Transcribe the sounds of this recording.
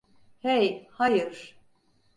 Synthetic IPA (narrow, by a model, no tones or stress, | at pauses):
hejhajɯɾ̥